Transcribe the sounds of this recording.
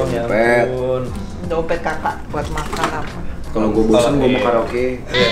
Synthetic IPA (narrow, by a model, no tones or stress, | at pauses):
pɛt̪n | daopɛt̪̚kakaʔbuat̪̚makanapakaloɡuobosənɡuəmakaɾaoke